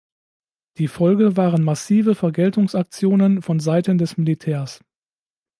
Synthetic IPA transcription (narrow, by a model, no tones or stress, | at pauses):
d̥iːfɔlɡəvaːʁənmasiːvəfɛɐɡɛltʊŋsak̚t͡sjoːnənfɔnzaɪtəndɛsmilitʰɛːɐs